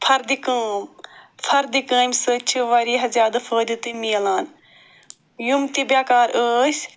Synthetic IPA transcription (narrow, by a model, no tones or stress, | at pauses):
pʰɐɾd̪ikəːmfʰɐɾd̪ikəːmʲsɨt͡ʃʰiʋaɾiːɦɐzaːd̪ɨfʰəːd̪it̪ɨmiɐlaːn | jumt̪ibjaːkaːɾəːsʲ